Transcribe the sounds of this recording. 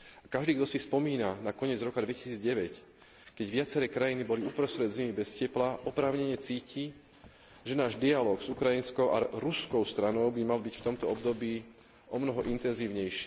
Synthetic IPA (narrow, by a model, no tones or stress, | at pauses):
akaʒd̪iːɡd̪ɔsifspɔmiːnanakɔɲɪɛd͡zɾɔkad̪ʋɛci̥siːd͡zɟɛʋɛc | kɛɟʋɪat͡sɛɾɛːkɾajinibɔliupɾɔst̪ɾɛd̪zimibɛscɛplaʔɔpɾaːʊɲɛɲɛt͡siːci | ʒɛnaːʒd̪ialɔːɡz̥ukɾajinskɔʊʔa̰ɾuskɔʊst̪ɾanɔʊbimalbicft̪ɔmt̪ɔɔbd̪ɔbiː | ɔmnɔɦɔʔint̪ɛnziːʊɲɛjʃɪ